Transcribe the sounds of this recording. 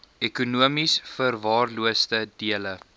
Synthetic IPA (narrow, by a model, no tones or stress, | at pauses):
ɛkunuəmisfərvɑːrluəstədiələ